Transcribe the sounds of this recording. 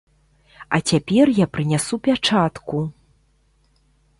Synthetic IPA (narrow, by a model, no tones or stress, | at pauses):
ɐ̰t͡sʲapʲɛrjapɾɨnʲasupʲat͡ʂat̪ku